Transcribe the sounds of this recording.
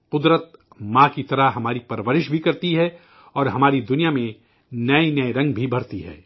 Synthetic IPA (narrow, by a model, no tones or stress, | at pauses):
qʊd̪ɾət̪̚ | mãkit̪ɐɾaɦɦɐmaːɾipɐɾʋəɾɪʃbʱikɐɾt̪iɦɛ | ɔːɾɦɐmaːɾid̪ʊnijamẽ | nɐenɐeɾɐ̃ŋɡ̚bʱibʱɐɾt̪iɦɛ̰ː